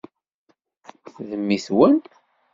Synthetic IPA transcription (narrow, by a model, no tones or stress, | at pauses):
θðəmːiθwən